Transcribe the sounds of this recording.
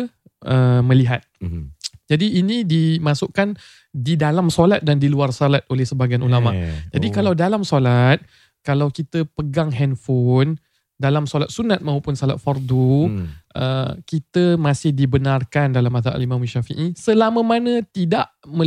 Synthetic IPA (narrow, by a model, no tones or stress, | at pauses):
əmə̃liɦat̪̚ | d͡ʒadiːnĩdimãsuʔkan | didalamsolat̪̚dandiluarsolat̪̚olɛhsəbaɡajanulamad͡ʒadikalawdalamsolat̪̚ | kalawkit̪əpəɡaŋɦɛnfon | dalamsolat̪̚sunat̪̚mãupʊnsala̰t̪̚farduʔə̰kit̪əmãsɪhdibənarkandalamaðaʔa̰limãmaʃafḭʔisəlamə̃manə̃t̪idaʔmə̃